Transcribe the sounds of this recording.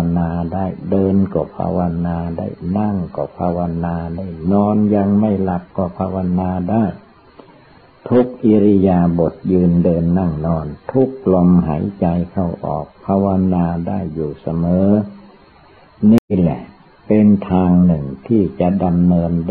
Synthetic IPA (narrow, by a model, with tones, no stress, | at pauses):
naː˧daː˥˩jdɤː˧nkɔː˧˩pʰa̰ː˧wa˧naː˧da̰ː˥˩jna˥˩ŋkɔ̰ː˧˩pʰaː˧wa˧naː˧daː˥˩jnɔː˧nja˧ŋma˥˩jla˨˧˩p̚kɔ˧˩pʰaː˧wa˧naː˧daː˥˩j | t̪ʰu˦˥k̚ʔi˧ɾi˧jaː˧bo˨˩t̪̚jɯː˧ndɤː˧nːa˥˩ŋnɔː˧nt̪ʰu˦˥k̚lo˧mɦa̰˩˦jt͡ɕa˧jkʰa˧˩wʔɔ̰ː˨˩k̚pʰaː˧wa˧naː˧daː˥˩jːuː˨˩sa˧mɤː˨˦ | niː˥˩lɛ̰˨˩ʔ | pe˧nt̪ʰaː˧ŋnɯ˨˩ŋt̪ʰiː˥˩t͡ɕa˨˩ʔda˧mnɤː˧nd